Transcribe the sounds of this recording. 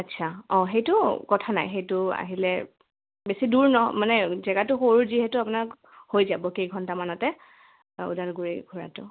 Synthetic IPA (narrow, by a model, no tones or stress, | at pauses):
atːsʰaɔ̃xejtʊkɔtʰana̰jxejtʊa̰ɦilɛ | besiduɹnɔmanɛzɛɡatʊxoɹuziɦɛtʊapʊnak | hojzabɔkejɡʱɔntamanɔtɛ | ṵdalɡuɹḭɡʱuɹa̰tʊ